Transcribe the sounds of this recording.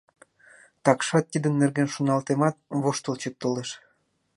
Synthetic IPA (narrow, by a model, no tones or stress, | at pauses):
t̪ɑkʃɑt̪ːid̪ənnːerɣenʃunɑlt̪emɑt̪̚βoʃt̪əlt͡ɕət̪̚t̪ːoleʃ